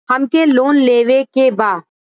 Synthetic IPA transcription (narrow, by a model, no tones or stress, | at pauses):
ɦəmkeloːnleːʋekebaː